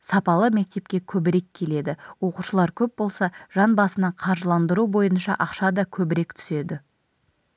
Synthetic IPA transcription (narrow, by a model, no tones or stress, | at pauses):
sɑpɑlˠəme̞k̚t̪e̞p̚kʲe̞kʲʰɵbɪɾe̞kʲʰːe̞le̞d̪ɪwo̞quʃəlˠɑɾkʲʰɵp̚bo̞lˠsɑʒ̥ɑnbɑsənɑɴqʰɑɾʒəlˠɑnd̪əɾubo̞jənʃɑ̰ʔɑqʃɑd̪ɑkʲʰɵbɪɾe̞kt̪ʰʏ̥se̞d̪ɪ